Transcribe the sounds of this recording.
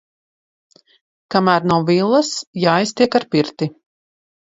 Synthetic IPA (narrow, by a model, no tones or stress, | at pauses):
kamæːɾnawvilˠːɐsjaːajst̪iɛkaɾpiɾt̪i